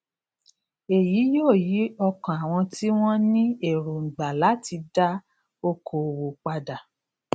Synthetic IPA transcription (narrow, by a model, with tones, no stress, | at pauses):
e˨jiː˨˦joː˦˨ji˨˦ɔ˧kã˨a˨w̃ɔ̃˧ti˦w̃ɔ̃˦nĩ˦e˦˨ɾo˨ŋ̩˨ɡ͡ba˨la˨˦ti˧da˦ | o˧kʰo˨wo˨k͡pa˧da˨